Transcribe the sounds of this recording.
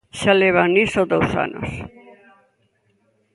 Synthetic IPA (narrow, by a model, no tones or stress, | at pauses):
ʃaleβ̞anisod̪owsa̰no̰s